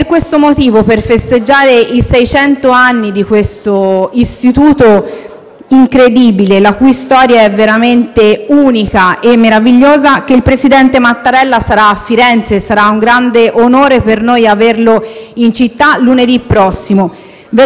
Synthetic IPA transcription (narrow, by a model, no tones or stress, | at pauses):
perkwest̪omot̪iːvoperfest̪ed͡ʒːaːɾeisɛjt͡ʃɛnt̪oanːid̪ikwest̪oist̪it̪uːt̪o | iŋkɾed̪iːbilelakujst̪ɔːɾjaɛveɾament̪euːnikaʔemːeɾaviʎːoːzak̟eilpɾesid̪ɛnt̪emat̪ːaɾɛlːasaɾaːfːiɾɛnt̪sesaɾauŋɡɾand̪eʔonoːɾepernojaverloint͡ʃit̪ːaluned̪ipːɾɔsːimo | ve